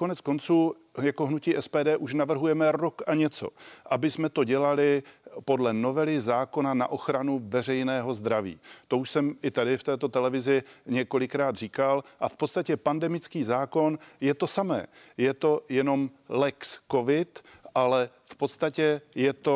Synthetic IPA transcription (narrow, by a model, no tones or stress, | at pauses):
konɛt͡sko̞nt͡suː | jakoɦnuciːʔɛspɛːdɛːʔuʃnavr̩ɦujɛmɛɾokʔaɲɛt͡so̞̰ʔabɪsmɛt̪o̞ɟɛlalɪpo̞dlɛnovɛlɪzaːko̞nana̰ʔo̞xɾanuvɛr̝ɛjnɛːɦo̞zd̪ɾavḭːt̪o̞uʃsɛmʔɪt̪adɪft̪ɛːt̪o̞t̪ɛlɛvɪzɪɲɛko̞lɪkɾaːt̪r̝iːkalʔafpot̪st̪acɛpandɛmɪt͡skiːzaːko̞njɛt̪o̞samɛ̰ːjɛt̪o̞jɛno̞m | lɛksko̞vɪt̪ʔalɛ | fpo̞t̪st̪acɛjɛt̪o